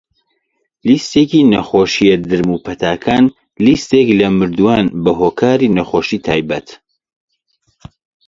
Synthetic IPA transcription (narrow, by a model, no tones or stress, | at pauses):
list̪eːkiːnɐxoːʃijɛd̪ɨɾmupʰɐt̪ʰaːkʰaːn | list̪eːklɐmɨɾd̪uwaːnbɐɦoːkʰaːɾiːnɐxoːʃiːt̪ʰaːjbɐt̪